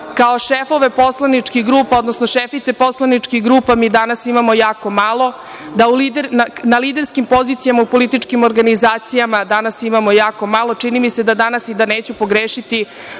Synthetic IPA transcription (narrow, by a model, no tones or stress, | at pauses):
kaoʃefo̞ʋe̞po̞slanit͡ʂkiɡɾuːpao̞d̪nosno̞ʃefit̪se̞po̞slˠanit͡ʂkixɡɾuːpamiːd̪anasimamo̞jaːko̞malˠo̞ | d̪aulid̪eɾnanalid̪e̞ɾskimpo̞ziːt̪sijamaupo̞lit̪it͡ʂkimo̞ɾɡanizaːt̪sijamad̪anasimamo̞jaːko̞malˠo̞t͡ʃinimise̞d̪ad̪anasid̪aneːt͡ɕupo̞ɡɾeːʃit̪i